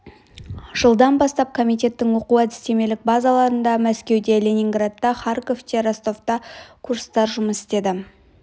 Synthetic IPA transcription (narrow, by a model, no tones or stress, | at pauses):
ʒ̥əlˠd̪ɑnbɑst̪ɑp̚kʰo̞mijt̪̬ʲe̞t̪ːɪŋwo̞quæd̪ɪ̥st̪e̞me̞lɪk̚bɑzɑlˠɑɾənd̪ɑmæskʲe̞wd̪e̞lʲe̞nʲiŋɡrad̪ːɑχɑrko̞ft̪ʰeɾast̪o̞ft̪ɑkʰuɾst̪ɑɾʒʊməsɪ̥st̪e̞d̪ɪ